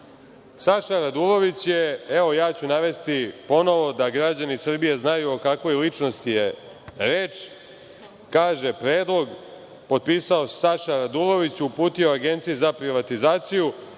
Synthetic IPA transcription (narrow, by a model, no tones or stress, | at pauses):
saʃaɾad̪ulo̞ʋit͡ɕjeeʋo̞jaːt͡ɕunaʋe̞st̪ipo̞no̞ʋo̞d̪aɡɾad͡ʑanisr̩bijeznajuokakʋo̞jlit͡ʃno̞st̪ije | ɾeːt͡ʃ | kaːʒe̞pɾeːd̪lˠo̞ɡ | po̞d̪̚piːsaosaʃaɾad̪ulo̞ʋit͡ɕupuːt̪io̞aɡe̞nt̪sijuzapɾiʋat̪izaːt̪siju